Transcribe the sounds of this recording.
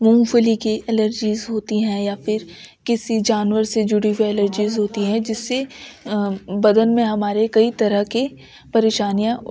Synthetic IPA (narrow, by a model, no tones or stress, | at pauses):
mũmfʊlikeʔɛləɾd͡ʒiːzɦoːt̪iɦɛ̃jafɪɾkɪsid͡ʒaːnʋəɾsed͡ʒʊɽiwiɛləɾd͡ʒiːzɦoːt̪iɦɛ̃d͡ʒɪsːe | bɐd̪ənmẽɦɐmaːɾekɐit̪ɐɾəɦke | pɐɾeːʃaːnijã